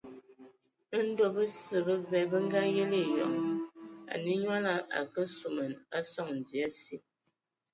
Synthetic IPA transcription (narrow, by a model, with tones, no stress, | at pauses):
n̩˦do˦bə˦sə˨bə˦vɛ˨bə˦ŋ˦ɡa˦je˦le˦˨jɔ̰˨ŋ | a̰˨ni˦ɲwa˦la˦ʔa̰˨kə˦su˨mə˨na˦sɔ˦ŋn̩˨di˨a˦si˦